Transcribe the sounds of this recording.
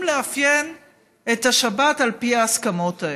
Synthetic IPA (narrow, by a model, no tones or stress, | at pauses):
mleafjen | etaʃabatalpiaːskamo̞tae